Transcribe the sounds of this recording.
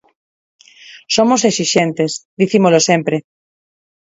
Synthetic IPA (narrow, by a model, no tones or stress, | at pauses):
somosesiʃẽnt̪esðiθimolosẽmpɾe